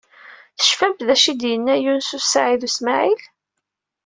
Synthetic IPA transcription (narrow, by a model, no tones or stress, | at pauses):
θə̥ʃfæmbðæʃid̪jənːæjunsusʕiðusmaʕil